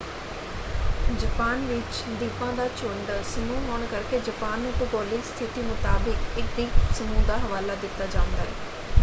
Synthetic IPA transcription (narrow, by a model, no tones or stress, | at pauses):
d͡ʒəpaːnʋɪt͡ʃ | d̪iːpãːd̪aːt͡ʃʊɳɖsəmũːɦoːɳkəɾkeːd͡ʒəpaːnoːʈoːɡɔːlɪkst̪ʰɪʈ̪iːmʊt̪aːbɪkɪkd̪iːpsəmũːd̪aːɦəʋaːlaːd̪ɪt̪ːaːd͡ʒaːʊ̃nd̪a̰ːɛ̰ː